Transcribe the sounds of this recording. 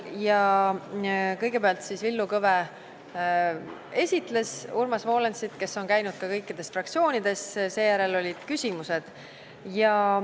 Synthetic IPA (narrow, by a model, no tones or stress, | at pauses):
jɑ | kɤjɡe̞peɑlt̪sisvilːukɤve | e̞sʲit̪ˑle̞surmɑsvo̞ːlensit̪ke̞sːo̞nkæjnud̪̥̚kɑkɤjkːid̪̥e̞sfrɑk̚t̪sio̞ːnid̪̥e̞sse̞ːjæɾe̞lo̞lʲid̪̥kysʲimuse̞d̪̥ | jɑ